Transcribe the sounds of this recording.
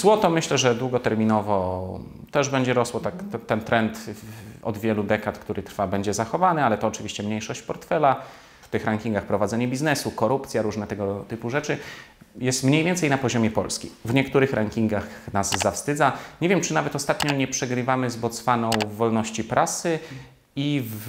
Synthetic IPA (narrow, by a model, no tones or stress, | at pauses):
zwɔt̪ɔmɘɕlɛʐɛd̪wuɡɔt̪ɛɾmʲinɔvɔ | t̪ɛʐbɛɲd͡ʑɛɾɔswɔt̪ak̪t̪ːɛnt̪ɾɛnt̪ɔ̰d̪vʲjɛlud̪ɛkat̪kt̪uɾɘt̪ɾfabɛɲd͡ʑɛzaxɔvanɘalɛt̪ɔːt͡ʂɘvʲiɕt͡ɕɛmɲejʂɔɕt͡ɕpɔɾt̪fɛla | ft̪ɘxɾaŋkʲiŋɡaxpɾɔvad̪zɛɲɛbʲiznɛsukɔɾupt̪sʲjaɾuʐnɛt̪ɛɡɔt̪ɘpuʐɛt͡ʂɘjɛst̪mɲejvʲjɛnt̪sɛjnapɔʑɔmʲjɛpɔlskʲḭvɲɛkt̪uɾɘxɾʔaŋkʲiŋɡaxnazzafst̪ɘd̪zaɲevʲjɛmt͡ʂɘnavɛt̪ɔst̪at̪ɲɔɲɛpʂɛɡɾɘvamɘzbɔt̪sfanɔ̃w̃vɔlnɔɕt͡ɕipɾʔasɘ | iv